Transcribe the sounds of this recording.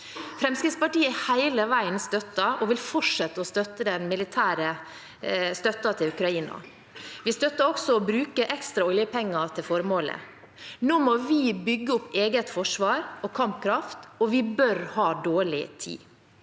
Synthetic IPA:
fɾɛmskɾɪt̪spɑʈiːəæhæɪləʋæɪənst̪œt̪ːɑʔɔʋɪlfɔʈʂɛt̪ːəɔst̪œt̪ːəd̪ɛnmɪlɪt̪ʰæːɾə | st̪œt̪ːɑt̪ʰɪlʉkɾɑiːnɑ̰ | ʋɪst̪œt̪ːəɾɔksɔɔbɾʉːkəʔɛkst̪ɾɑɔljəpʰɛŋːɑt̪ʰɪlfɔɾmoːlə̰ | noːmɔʋɪbʏɡːəʊpːeːɡət̪fɔʂʋɑːɾɔkʰɑmpkʰɾɑft̪ɔʋɪbœɾhɑːd̪oːɭɪ̰t̪ʰḭː

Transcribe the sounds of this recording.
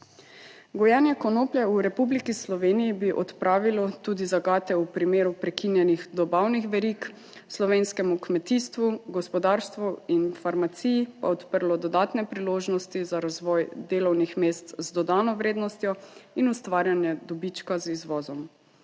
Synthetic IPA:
ɡɔjɛnjɛkɔnoːpljɛuɾɛpublikislɔʋeːnijibiʔɔt̪pɾaːʋilɔt̪uːd̪izaɡaːt̪ɛupɾimeːɾupɾɛkinjɛnixd̪ɔbawnixʋɛɾik | slɔʋenskɛmukmɛt̪iːst̪ʋuɡɔspɔd̪aːɾst̪ʋuinfaɾmat̪siːjpa̰ɔt̪pəɾlɔd̪ɔd̪aːt̪nɛpɾiloːʒnɔst̪izaɾazʋɔːjd̪eːlɔwnixmeːst̪zd̪ɔd̪aːnɔʋɾeːd̪nɔst̪jɔinust̪ʋaːɾjanjɛd̪ɔbit͡ʃkazizʋɔːzɔm

